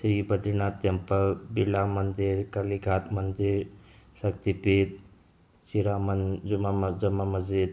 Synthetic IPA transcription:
sɾibɐd̪ɾinat̪ːɐmpɐbilamɐnd̪iɾkɐliɡʱat̪mɐnd̪iɾsɐk̚t̪ipit̪̚ | t͡ʃiɾamɐnumad͡ʒɐmːamɐzid̪

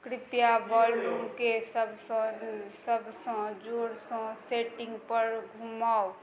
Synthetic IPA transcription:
kɾɪpjabaːlɖɾumkesəbʱsɔ̃səbʱsɔ̃d͡ʒoːɾsɔ̃seːʈɪ̃ŋɡpəɾɡʱumaːo

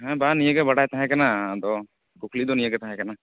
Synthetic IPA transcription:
ɦɛ̃banijəɡɛbaɽajt̪aɦɛ̃kanad̪ɔ | kukʰlid̪ɔnijəɡɛt̪aɦɛ̃kana

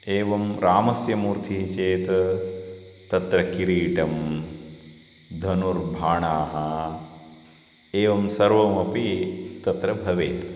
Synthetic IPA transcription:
eːʋɐmɾaːmɐsjɐmuːɾt̪ʰiɦit͡ʃeːt̪ | t̪ɐt̪ɾɐkiɾiːʈɐm | d̪ʱɐnuɾbʱaːɳaːɦɐ | eːʋɐmsɐɾʋɐmɐpit̪ɐt̪ɾɐbʱɐʋeːt̪

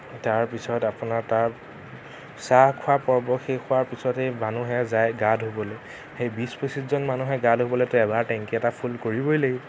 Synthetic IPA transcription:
taɹpisɔtapʊnaɹtaɹ | sahkʰʊapɔɹbɔxekʰʊwaɹpisɔtejmanuɦɛzajɡadɦobɔlɛj | xejbisposiszɔnmanuɦɛɡadɦobɔlɛtʊɛbaɹtɛŋkiɛtapʰulkoɹibɔjleɡi

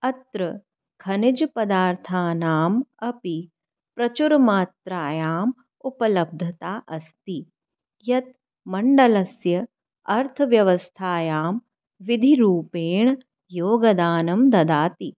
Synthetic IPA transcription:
ɐt̪ɾɐ | kʰɐnid͡ʒpɐd̪aːɾt̪ʰaːnaːmɐpi | pɾɐt͡ʃuɾmaːt̪ɾaːjaːm | upɐlɐb̚d̪ʱɐt̪aːʔɐst̪i | jɐt̪ | mɐɳɖɐlɐsjɐ | ɐɾt̪ʰɐʋjɐʋɐst̪ʰaːjaːm | ʋid̪ʱiɾuːpeːɳ | joːɡɐd̪aːnɐmd̪ɐd̪aːt̪i

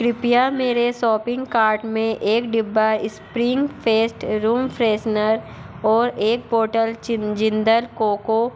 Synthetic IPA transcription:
kɾɪpijameːɾesɔːpɪ̃ŋɡkaːɾʈmẽʔeːkɖɪbːəɪspɾɪ̃ŋɡfʰeːsʈɾuːmpʰɾeːsnəɾ | ɔːɾeːk̚boːʈəld͡ʒɪ̃nd̪əlkoːko

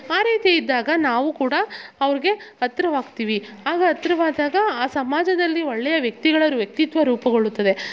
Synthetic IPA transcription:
aːɾiːt̪ejid̪ːaːɡɐnaːʋukuːɽɐɐʋɐɾiɡe̞ɐt̪ːɾɐʋaːɡt̪iːʋi | aːɡɐɐt̪ɾɐʋaːd̪aːɡɐaːsɐmaːd͡ʒɐd̪ɐlːiɔɭːɛjɐʋjɐk̚t̪iɡɐɭɐʋɐɾuʋjɐk̚t̪it̪ʋɐɾuːpɐɡoɭut̪ːɐd̪e̞

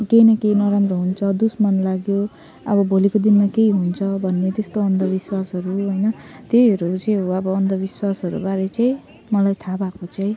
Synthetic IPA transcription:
kejnʌkejnʌɾambrʌɦunt͡sʰʌd̪usmʌnlaɡjo | ʌbʌbʱolikod̪inmakeiɦunt͡sʰʌbʱʌnːet̪est̪oʌnd̪ʱʌbiswasɦʌɾuɦʌjnʌt̪ejɦʌɾut͡sẽɦoʌbʌʌnd̪ʌbiswasɦʌɾṵbaɾet͡saĩ | mʌlajt̪ʰabakot͡saĩ

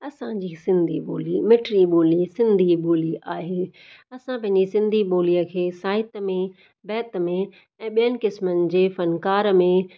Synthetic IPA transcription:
ɐsãd͡ʑiːsɪ̃nd̪ʱiɓoːlimɪʈɾiɓoːlisɪ̃nd̪ʱiɓoːliaːɦeː | ɐsãpɐ̃ɦɪ̃ɲd͡ʑisɪ̃nd̪ʱiɓoːliəkʰeːsaːɪt̪mẽ | bɛːt̪mẽ | ɛ̃ːɓijənɪ̆kɪsmənɪ̆d͡ʑeːfɐnkaːɾmẽ

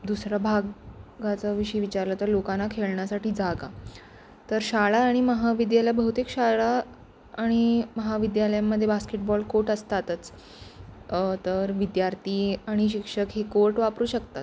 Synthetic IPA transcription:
d̪usɾjabʱaɡɡat͡səʋiɕəjʋit͡ɕaɾlət̪əɾlokanːakʰeɭɳjasaʈiːd͡zaɡa | t̪əɾɕaɭaːɽ̃iməɦaʋid̪jaljabəɦut̪eːkɕaɭaː | ɽ̃iməɦaʋid̪jaləjamːəd̪ʱːjebaskeʈ̚bɔlkoʈəst̪at̪ət͡s | t̪əɾʋid̪jaɾt̪iːaɽ̃iɕikʂəkɦekoɾʈʋapɾuːɕəkt̪at̪̚

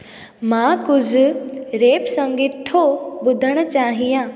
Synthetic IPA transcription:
mãːkʊzɾeːpsɐ̃ŋɡɪt̪ʰobʊd̪ʱəɽ̃ʊ̆t͡ɕaːɦijãː

